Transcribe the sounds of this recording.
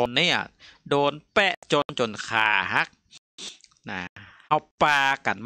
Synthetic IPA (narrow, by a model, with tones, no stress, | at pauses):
o˧nːi˦˥˩ɐdoː˧npɛ˧˩ʔt͡ɕo˧nt͡ɕo˧nkʰaː˧˩ɦa˦˥k̚ | na˧˩ʔa˧˩wpaː˧ka̰˨˩nm